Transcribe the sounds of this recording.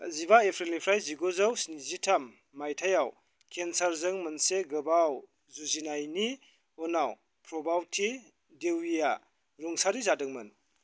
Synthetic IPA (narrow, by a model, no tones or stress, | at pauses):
ziβaepʰɾelipʰɾajziɡozawsnizitʰamː | ajtʰajaw | kʰensaɾzɯŋmɯnseɡɯbaw | zuzinajni | ɔnaw | pʰɾɔbawtʰi | dewija | ɾuŋsaɾizadɯŋmɯn